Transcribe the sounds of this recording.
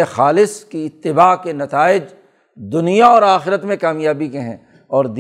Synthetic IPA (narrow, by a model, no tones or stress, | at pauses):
ẽxaːlɪskiɪt̪ːɪbaːkenɐt̪aːɪd͡ʒ | d̪ʊnijaɔːɾaːxɪɾət̪mẽkaːmjaːbikeɦɛ̰̃ː | ɔːɾd̪